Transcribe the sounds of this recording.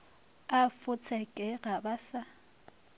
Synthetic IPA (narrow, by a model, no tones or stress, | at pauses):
afʊt͡sʰɛkʼɛɣabasa